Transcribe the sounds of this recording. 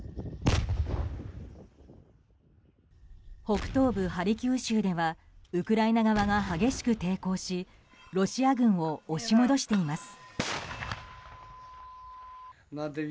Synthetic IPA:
ho̞kɯ̟̥t̪o̞ːbɯ̟haɾʲikʲɨːɕɨːd̪e̞βa | ɯ̟kɯ̟ɾainaɡaβaɡaɦaɡʲe̞ɕi̥kɯ̟t̪e̞ːko̞ːɕi | ɾo̞ɕiaɡɯ̟̃ɰ̃o̞ːɕimo̞d̪o̞ɕi̥t̪e̞imasɨ̥ | nad̪

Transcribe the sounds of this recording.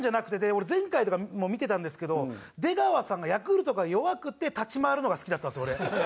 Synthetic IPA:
ɲd͡ʑanakɯ̟t̪ed̪eoɾezẽ̞ŋkait̪o̞kamo̞mʲit̪e̞t̪ãnd̪e̞sɨ̥ke̞d̪o̞ | d̪e̞ɡaβasãŋɡajakɯɾɯ̟t̪o̞kajo̞βakɯ̟t̪ːet̪at͡ɕimaɾɯ̟no̞ɡasɨ̥kʲid̪at̪ːansko̞ɾe

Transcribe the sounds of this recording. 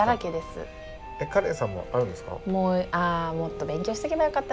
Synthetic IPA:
aɾaked̪e̞sɨ̰ | ekaɾe̞ːsãmːo̰ʔaɾɯ̟̃nd̪e̞sɨ̥ka̰moːaːmo̞t̪ːo̞bẽ̞ŋkʲoːɕi̥t̪e̞kʲebajokat̪ːa

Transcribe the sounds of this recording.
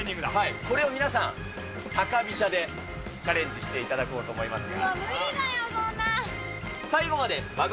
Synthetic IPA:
ɲːĩŋɡɯd̪ahaiko̞ɾe̞o̞mʲinasãŋ̃ | t̪akabʲiɕad̪e̞ | t͡ɕaɾẽ̞ɲ̟d͡ʑiɕi̥t̪e̞it̪ad̪ako̞ːt̪o̞ːmo̞imasɨɡanajosoːna | saiɡo̞mad̪e̞maɡ

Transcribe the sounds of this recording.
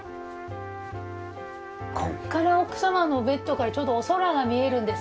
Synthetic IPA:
kʰo̞kːaɾaokɯ̟̥samano̞be̞t̪ːo̞kaɾat͡ɕo̞ːd̪oːso̞ɾaɡamʲie̞ɾɯ̟̃nd̪es

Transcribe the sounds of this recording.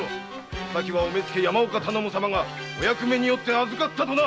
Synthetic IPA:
o | sakʲiβaomet͡sɨ̥ke̞jamaokat̪anomosamaŋa | ojakɯ̟me̞ɲ̟ijo̞t̪ːe̞azɨkat̪ːat̪o̞na

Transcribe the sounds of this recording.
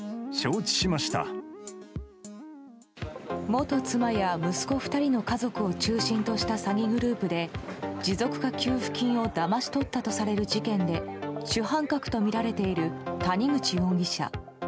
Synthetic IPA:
ɕoːt͡ɕi̥ɕimaɕi̥t̪a̰ | mo̞t̪o̞t͡sɨmajamɯ̟sɨ̥ko̞ɸɯ̟̥t̪aɾʲino̞kazo̞kɯ̟o̞t͡ɕɨːɕĩnt̪o̞ɕi̥t̪asaɡʲiɡɯ̟ɾɯ̟ːpɯ̟d̪e̞d͡ʑizo̞kɯ̟̥kakʲɨːɸɯ̟̥kʲĩɰ̃o̞d̪amaɕi̥t̪o̞t̪ːat̪o̞saɾe̞ɾɯ̟d͡ʑikẽ̞nd̪e̞ɕɨɦãŋkakɯ̟̥t̪o̞mʲiɾaɾe̞t̪e̞iɾɯ̟t̪aɲ̟iɡɯ̟t͡ɕiõ̞ŋɡʲiɕa̰

